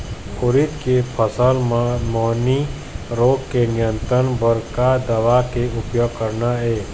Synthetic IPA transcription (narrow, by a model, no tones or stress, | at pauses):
kʊɾɪt̪kepʰəsəlmmoːni | ɾoːɡkenɪjə̃nt̪ɾənbəɾkad̪əʋakeʊpjoːɡ̚kəɾnaeː